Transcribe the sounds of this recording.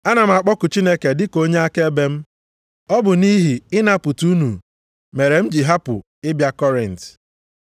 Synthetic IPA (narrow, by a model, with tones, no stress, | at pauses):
a˦na˨m̩˦a˨k͡pɔ˦kʊ˨t͡ʃi˦ne˦ke˨dɪ˦ko˦ɲe˦a˦ke˦be˦m̩˦ | ɔ˦bʊ˨ni˦ɦi˨ɪ˦na˦pʊ˨tu˦nu˨ | me˨ɾe˨m̩˦d͡ʒi˨ɦa˦pʊ̰˨ | ɪ˦bja˦kɔ˦ɾɛ˨n̩˨t